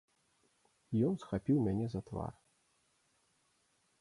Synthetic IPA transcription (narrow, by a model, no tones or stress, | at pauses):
jɔnsxapʲiwmʲanʲɛzɐt̪va̰r